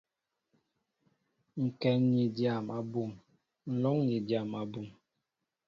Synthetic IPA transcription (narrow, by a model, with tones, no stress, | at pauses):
ŋ̩˨kɛ˨nni˨dja˦˨ma˨bu˨ŋ | n̩˨lɔ˦ŋni˨dja˨ma˨bu˨ŋ